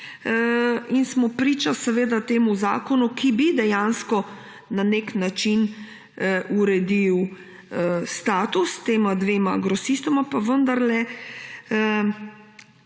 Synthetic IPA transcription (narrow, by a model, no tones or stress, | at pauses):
insmɔpɾiːt͡ʃasɛʋeːd̪at̪eːmuza̰ːkɔnukibid̪ɛjanskɔ | naneknat͡ʃin | uɾɛd̪iw | st̪aːt̪ust̪eːmad̪ʋeːmaɡɾɔsist̪ɔmapaʋənd̪aɾlɛ